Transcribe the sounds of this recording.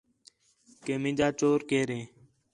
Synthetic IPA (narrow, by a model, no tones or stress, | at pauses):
keːmɪ̃d͡ʒaːt͡ʃoːɾkeːɾẽː